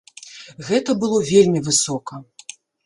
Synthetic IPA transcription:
ɣɛt̪ɐbɨlˠɔvʲelʲmʲivɨsɔkɐ

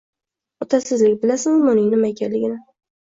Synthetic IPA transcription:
ɒt̪ʰasɪzlɪkʲbɪlasɪnʊmʊnɪjnɪmajkʲʰanlɪɡʲɪnɪ

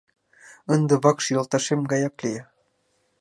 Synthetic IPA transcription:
ənd̪ĕβɑkʃjɤ̆lˠt̪ɑʃemɡɑjɑklʲijɑ

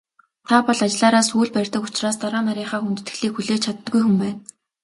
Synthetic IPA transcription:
t̪ʰapɔɮat͡ɕɪɮaːɾaːsuːɮpærʲt̪ə̆kʊt͡ɕraːst̪aɾaːmaɾʲiːχaːxunt̪ɘ̆t̪xɘ̆ɮiːkxuɮeːt͡ɕʰat̪̆ːɡujxumpæːn

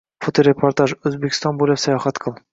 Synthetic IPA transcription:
fot̪oɾʲepoɾt̪aʒɵzbekʲɪ̥st̪ɑnbulʲæpsajɒχɑt̪qʰɤlˠ

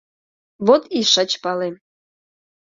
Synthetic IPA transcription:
βot̪iʃə̆t͡ɕpɑle

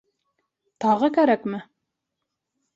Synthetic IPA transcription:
t̪ɑʁɤkæɾækmɘ

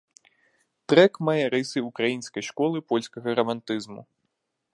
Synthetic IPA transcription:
t̪ɾɛkmajɛɾɨsɨukɾajinskɐjʂkɔlˠɨpɔlʲskɐɣɐɾɐmant̪ɨzmṵ

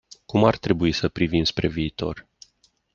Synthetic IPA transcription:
kumart̪ɾe̞buisəpɾivimspɾe̞viːt̪o̞̰r

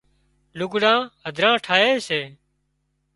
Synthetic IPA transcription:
lʊkɽãːɦəd̪ʱɾãːʈʰaːɦeːseː

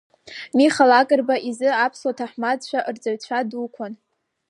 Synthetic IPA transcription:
miχalakʼɨrbaʔizɨapʰswatʰaħmad͡zt͡ʃʷʰaʔrd͡zaɥt͡ɕʷʰadukʷʰan

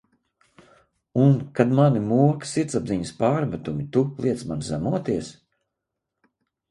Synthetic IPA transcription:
unkad̪manimuɔksit̪sabziɲəspaːɾmæt̪umit̪ulˠiɛt̪smanzæ̰muɔt̪iɛs

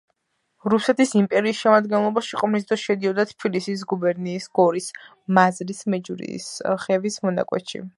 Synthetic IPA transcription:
ɾusɛt̪ʰisimpʼɛɾiːsʃɛmad̪ɡɛnlˠɔbaʃiqʼɔmnis̬d̪ɾɔsʃɛd̪iɔd̪at̪ʰbilisis̬ɡubɛɾniːsɡ̥ɔɾis | mazɾismɛd͡ʒuɾḭsχɛvismɔna̰kʼwɛ̰t̪ʃḭ

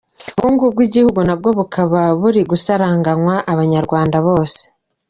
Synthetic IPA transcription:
uɡuːŋɡub̚ɡwiɟihuɡunab̚ɡo̞βukʰaβaβuɾiɡusaɾaːŋɡaŋwaʔaβaɲaɾɡwaːndaβo̞ːse̥

